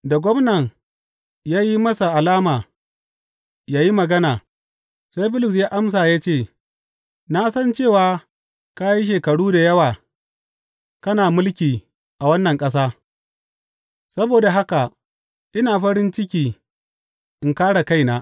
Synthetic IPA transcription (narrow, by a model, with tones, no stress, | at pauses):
da˨ɡʷɔ˦mnɐ˨ŋ | jaː˦ji˦mɐ˦sa˨ʔa˨laː˦maː˨ | jaː˦ji˦mɐ˨ɡɐ˦naː˨ | sa˦jɸɪ˦lɪ˨s̬jaː˦ʔa˦ms̬aː˨jaː˦t͡ʃeː˦˨ | naː˦sɐ˦nt͡ʃeː˦˨waː˦ | ka˦ji˦ʃ̬eː˨kɐ˨ɽuː˦da˨jɐ˦waː˨ | kɐ˦naː˨mʊ˦lkʲiː˨ | ʔa˨wɐ˦nːɐ˨ŋkʼɐ˦s̬aː˦ | sɐ˦boː˨da˨ɦa˦ka˨ | ʔɪ˦naː˨ɸɐ˦ɽɪ˦nt͡ʃɪ˦k̬ʲiː˨ | ʔɪ˨ŋkaː˦ɽa˨ka˦jnaː˨